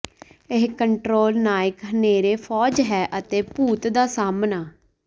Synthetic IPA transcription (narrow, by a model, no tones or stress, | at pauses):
ɪɦkəɳʈɾoːlnaːɪkɦəneːɾeːpʰɔːd͡ʒɦɛːʔət̪eːpuːt̪d̪aːsaːmnaː